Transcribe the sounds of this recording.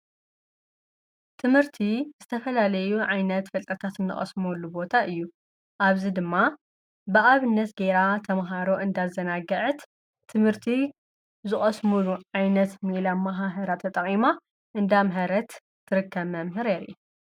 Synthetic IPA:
t̪ʰɨmhɨɾt̪ʰizɨt̪ʰɐfɐlalɐjuʕajnɐt̪fɐlt̪ʼɐt̪ʰat̪ɨnːɨ̰χʼɐ̰smolːubo̞t̪ʰaʔɨjːu | ʔaβzid̪ɨmːa | bɨʔaβɨnːɐt̪ɡeɾat̪ʰɐmɦaɾo̞ʔɨnd̪azɐnaɡɐʕɨt̪ | t̪ʰːɨmhɨɾt̪ʰi | zɨχʼɐsmuluʕajnɐt̪milamaɦaɦɐɾat̪ʰɐt̪ʼɐχʼima | ʔɨnd̪amɦɐɾɐt̪ːʰ | ɨɾɨkʰːɐβmɐmɦɨɾeɾiu

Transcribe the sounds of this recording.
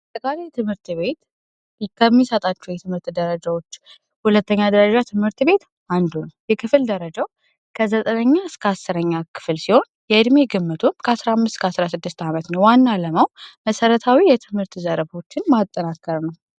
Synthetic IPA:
ət̪ʼːəkʼalejt̪ʰɨmhɨɾt̪βe̞t̪ | kʰəmːisət̪ʼat͡ʃːɛwjɛt̪ʰɨmhɨɾt̪d̪əɾəd͡ʒawo̞t͡ʃː | hulət̪ːəɲːad̪əɾəd͡ʒat̪ʰɨmhɨɾt̪be̞t̪ | and̪unjɛkʰɨfɨld̪əɾəd͡ʒaw | kʰəzət̪ʼənəɲːaɨskʰəasːɨɾəɲːakʰɨ̥fɨlsiho̞n | jɛɨd̪meɡɨmːɨt̪ʰumkʰəasɾahamːɨst̪kʰəasɾasɨd̪ːɨst̪amət̪nəwwanːaləmawməsəɾət̪ʰawijɛt̪ʰɨmhɨɾt̪zəɾəbo̞t͡ʃːɪnmat̪ʼːənakʼːəɾnəw

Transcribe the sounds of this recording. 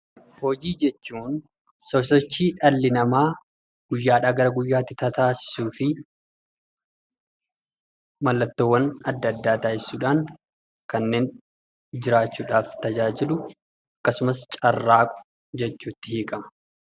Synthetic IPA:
hɔd͡ʒiːd͡ʒɛt͡ʃːuːn | sɔsɔt͡ʃːiːᶑɐlːɪnɐmaː | ɡ̥ʊjːaːᶑaːɡɐɾɐɡʊjːaːt̪ːɪt̪ɐt̪aːsɪ̥suːfɪ | mɐlːɐt̪ːoːwːɐnɐd̪ːɐd̪ːaːt̪aːʔɪsːuːᶑaːŋ | kɐnːe̞ːn | d͡ʒɪɾaːt͡ʃːuːᶑaːft̪ɐd͡ʒaːd͡ʒɪlʊ | ɐkːɐsʊmɐs̬t͡ʃʼɐrːaːkʼʊ̥ | d͡ʒɛt͡ʃːuːt̪ːɪhiːkʼɐmɐ̥

